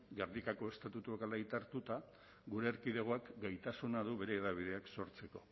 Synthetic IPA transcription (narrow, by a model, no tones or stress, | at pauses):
ɡeɾðikako̞e̞st̪at̪ut̪uekalajt̪aɾt̪ut̪a | ɡuɾe̞ːɾkiðeɣ̞oakɡajt̪asunað̞uβe̞ɾe̞ːðaβ̞ið̞e̞akso̞ɾt͡se̞ko̞̥